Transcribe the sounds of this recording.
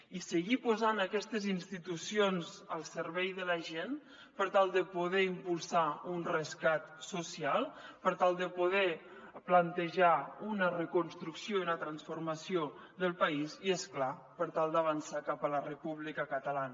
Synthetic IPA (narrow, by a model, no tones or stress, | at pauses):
isəɣipuzanəkɛst̪əzinst̪it̪usionzəlˠsəɾβɛjðələʒen | pəɾt̪alˠd̪əpuðɛimpulˠsaunrəskat̪susialˠpəɾt̪alˠd̪əpuðɛplənt̪əʒaunərəkunst̪ɾuksijounət̪ɾansfuɾməsio | ðəlˠpəiziesklapəɾt̪alˠd̪əβənsakapələrəpuβlikəkət̪əlanə